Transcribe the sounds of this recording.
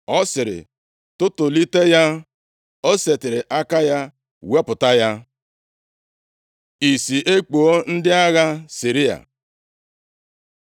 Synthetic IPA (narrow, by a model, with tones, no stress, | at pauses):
ɔ˦sɪ˨ɾɪ̰˨ | tʊ˦tʊ˨li˦te˦ja˦ | o˦se˨tɪ˨ɾɪ˨ʔa˦ka˦ja˦ | we˦pʊ˨ta˦ja˦ | i˨si˨ʔe˦k͡po˨o˦n̩˦dɪ˦a˦ɣa˦si˨ɾi˦a̰˨